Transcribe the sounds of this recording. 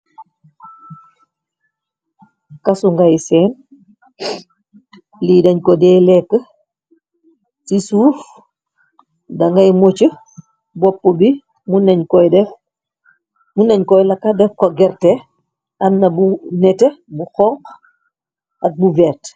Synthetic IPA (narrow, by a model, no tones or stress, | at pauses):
kɐsuŋɡajsɛːn | lidɐɲkɔdɛːlɛkːə | sisuːf | dɐŋɡajmot͡ʃə | bɔpːobi | munɛɲkɔjdɛf | munɐɲkɔjlɐkadɛfkɔɡɛɾte | ɐmnɐbunɛtebuxɔŋq | ɐk̚buvɛːrt